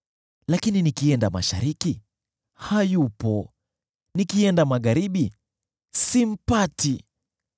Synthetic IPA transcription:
lakininikiɛndama̰ʃa̰ɾiki | hajupɔ | nikiɛndamaɣaɾiɓi | sim̩pati

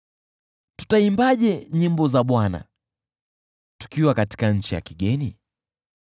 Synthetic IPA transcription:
tu̥taimbaʄɛɲimbɔzaɓwana̰ | tu̥kiwakati̥kaɲ̩t͡ʃija̰kiɠɛni

